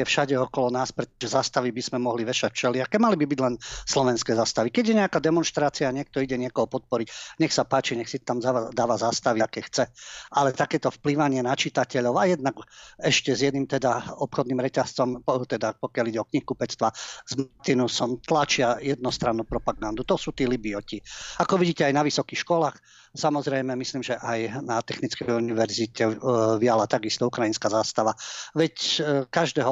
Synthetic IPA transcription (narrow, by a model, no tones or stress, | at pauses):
ɛfʃaɟɛɔkɔlɔnaːspɾɛt̪ɔʒɛzaːst̪aʋibizmɛmɔɦliʋɛʃacft͡ʃɛlɪakɛmalibibiɟlɛnslɔʋɛnskɛːzaːst̪aʋikɛɟjɛɲɛakad̪ɛmɔnʃt̪ɾaːt͡siaɲɪɛk̚t̪ɔiɟɛɲɪɛkɔɦɔpɔt̪̚pɔɾicɲɛxsapaːt͡ʃiɲɛxsit̪t̪amzaad̪aːʋazaːst̪aʋiakɛxt͡sɛalɛt̪akɛːt̪ɔfpliʋaɲɪɛnat͡ʃit̪acɛʎɔʊajɛd̪naɡɛʃcɛzjɛd̪nimt̪ɛd̪aɔpxɔd̪niːmɾɛcast͡sɔmt̪ɛd̪apɔkjaliɟɛɔkɲihkupɛt͡st̪ʋazmt̪inusɔmt̪lat͡ʃɪajɛd̪̚nɔst̪ɾanːuːpɾɔpaɡand̪ut̪ɔsuːt̪iːlibiɔciakɔʋiɟiːcɛajnaʋisɔkixʃkɔlaːx | samɔzɾɛjmɛmisliːmʒɛʔajnat̪ɛxnit͡skɛjuniʋɛɾzicɛʋialat̪aɡist̪ɔukɾajinskaːzaːst̪aʋaʋɛckaʒd̪ɛːɦɔ